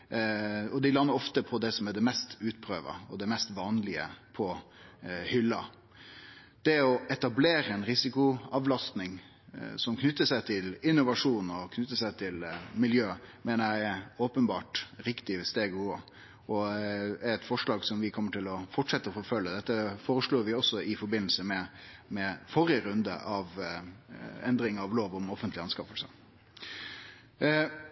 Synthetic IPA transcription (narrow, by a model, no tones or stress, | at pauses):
ɔd̪ɪlɑnːəɾɔft̪əpʰɔd̪ɛsɔmæɖɛmɛst̪ʉːt̪pʰɾø̰ːʋə̰ɔd̪ɛmɛst̪ʋɑːnlɪə̰pʰɔ | hʏlːɑ̰ | d̪̥ɛɔɛt̪ɑbleːɾəɛnɾɪsɪkʊɑʋlɑst̪nɪŋ | sɔmkʰnʉt̪ːəʂæɪt̪ʰɪlɪnːʊʋɑʂuːnɔkʰnʉt̪ːəsæɪt̪ʰɪlmɪljøːmeːnəɾjæɪɛɾoːpənbɑːʈɾɪkt̪ɪʋɛst̪eːɡuːə | ɔæɾɛt̪fɔʂɭɑːɡsɔmʋɪkʰɔmːəʈʰɪlɔfɔʈʂɛt̪ːəɾɔfɔfœlːəd̪ɛt̪ːəfoːɾəʂɭoːɾʋɪɔsɔɪfɔɾbɪnl̩səmɛmɛfɔɾɪəɾʉnd̪ə̰ʔɑʋ | ɛnd̪ɾɪŋɑʋloːʋɔmɔfənt̪lɪɑnskɑfəlsə̰